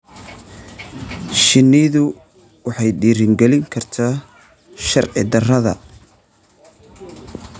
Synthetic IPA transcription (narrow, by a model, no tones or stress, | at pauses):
ʃɪnːɪðʊ | wɑħɑjɖiːɾɪŋɡɛlɪŋkʰɐrt̪ʰaː | ʃɐrʕɪ̰d̪ɐrɐðɐ̰